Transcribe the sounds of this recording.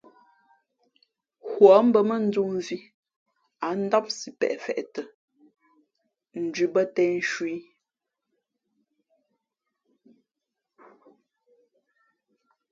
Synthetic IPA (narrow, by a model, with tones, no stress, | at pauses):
hwɔ˨˦m̩˦bə˦˨mə˦n̩˦d͡zu˦mvi˦ | a˨˦n̩˦da˦p̚si˨pɛ̰˨ʔfɛ̰˨ʔtə˨ | n̩˨d͡ʒɥi˦bə˦tɛ˦n˦ʃwiː˦